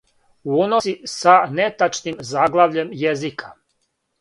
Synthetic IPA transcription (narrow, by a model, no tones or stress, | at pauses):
uunosisanet̪at͡ʃnimzaɡlˠaʋʎe̞mjezikʰḁ